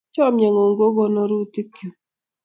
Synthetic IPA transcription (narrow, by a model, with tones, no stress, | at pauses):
t͡ʃɔ˦mje˨ŋo˨ŋɡo˦ɡo˦no˦ɾu˦ti˦kjo˨